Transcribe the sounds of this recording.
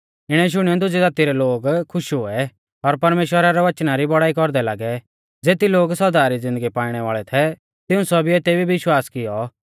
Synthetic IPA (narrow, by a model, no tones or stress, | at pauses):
ɪɽ̃ɛʃ̬ʊɽ̃iɔd̪ʊd͡zid̪aːt̪iɾɛloːɡkʰːʊʃɦʊɛ | ɔɾpɐɾmeːʃwəɾaɾɛʋɐt͡ʃnaɾibɔɽaːikɔɾd̪ɛlaːɡɛ | d͡zeːt̪iloːɡsɐd̪aːɾid͡zɪ̃nd̪əɡipaːiɽ̃ɛʋaːɭɛt̪ʰɛ | t̪ɪũsɔbieːt̪ebibɪʃwaːskɪjɔ